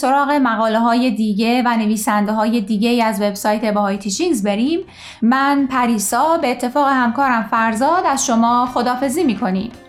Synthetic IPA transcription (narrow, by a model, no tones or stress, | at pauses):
so̞ɾɒːɣe̞mæɣɒːle̞ɦɒːje̞d̪iːɟevæne̞viːsænd̪eɦɒːje̞d̪iːɟeiːæzve̞bsɒːjt̪ʰebɒɦɒːjt̪ʰiʃiŋzbe̞ɾiːmː | ænpʰæɾiːsɒːbe̞ːt̪ʰːe̞fɒːɣe̞hæmkʰɒːɾæmfæɾzɒːd̪æzʃo̞mɒːxod̪ɒːfe̞ziːmiːkʰo̞nḭːm